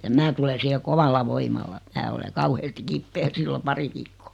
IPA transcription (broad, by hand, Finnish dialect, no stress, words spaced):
jɑ mæː tule siːhe koʋɑlːɑ ʋoimɑlːɑ mæː ole kɑuheːsti kipːeː silːo pɑri ʋiːkːo̥ː